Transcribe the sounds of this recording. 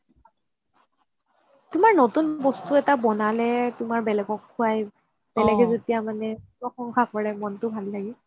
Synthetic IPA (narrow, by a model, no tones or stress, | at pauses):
tʊmaɹnotunbɔstuɛtabɔnalɛtʊmaɹbɛlɛɡɔkʰːuaj | b̥ɛlɛɡɛzetijamanɛpɹɔxɔŋkʰakɔɹɛmɔntʊbʱalːaɡɛ